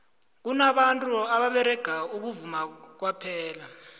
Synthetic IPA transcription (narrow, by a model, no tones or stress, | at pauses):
k̬unaɓantʼuaɓaɓɛɾɛɡ̥ʱauk̬uvumak̬wapʰɛːla